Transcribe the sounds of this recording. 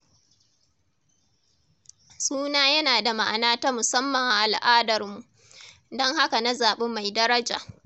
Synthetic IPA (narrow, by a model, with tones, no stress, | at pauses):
suː˦naː˦jɐ˦naː˨da˨ma˦ʔa̰˨naː˦taː˦mʊ˨sɐ˦mːɐ˨ŋʔa˨ʔa˨lʔaː˦dɐ˨rmu˨ʔ | dɔ˦ŋha˦ka˨na˦zaː˨ɓe˦mːa˨jdɐ˦ɾɐ˦d͡ʒaː˨